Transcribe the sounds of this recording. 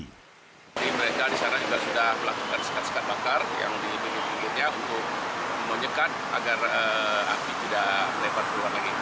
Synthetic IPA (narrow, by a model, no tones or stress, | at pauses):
adiməɾekadisanad͡ʒuɡasudahməlakukansə̥kat̪sə̥kat̪̚bakarja̰ŋdibiŋɪt̪biŋɡɪt̪ɲaunt̪ʊk̚məɲəkat̪̚ | a̰ɡarəa̰k̚tit̪idaʔlebat̪̚bəluaaɡi